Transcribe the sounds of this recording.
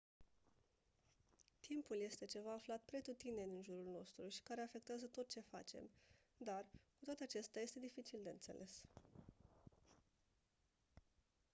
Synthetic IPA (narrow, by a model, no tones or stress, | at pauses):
t̪ʰimpulje̞st̪e̞t͡ʃe̞vaːflat̪pɾe̞t̪ut̪ine̞nɨnʒuɾulno̞st̪ɾuʃi̥kaɾe̞afe̞k̚t̪eazət̪o̞t̪̚t͡ʃe̞fa̰t͡ʃe̞̰m | d̪arkut̪oat̪eat͡ʃest̪jaje̞st̪e̞d̪ifit͡ʃild̪e̞ɨnt̪se̞̰lʔe̞s